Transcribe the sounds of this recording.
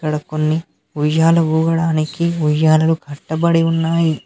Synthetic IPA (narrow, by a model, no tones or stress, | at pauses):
kɐɽɐkonːi | ʋiʒaːlɐuːɡɐɽaːnikiʋud͡ʒaːlɐluɡʱɐʈːɐbɐɽiunːaːji